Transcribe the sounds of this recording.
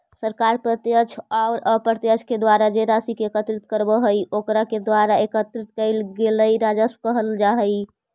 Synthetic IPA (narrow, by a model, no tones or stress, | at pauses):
səɾkaɾpɾət̪jət͡ʃʰaʊɾəpəɾt̪jət͡ʃʰked̪waɾad͡ʒeɾasikeekət̪ɾit̪kəɾbəɦəjokɾaked̪waɾaekət̪ɾit̪̚kəɪlɡeləjɾad͡ʒəskəɦəld͡ʒaɦəj